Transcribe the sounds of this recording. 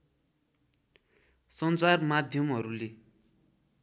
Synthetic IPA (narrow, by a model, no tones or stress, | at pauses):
sʌnt͡sarmad̪ʱjʌmɦʌɾule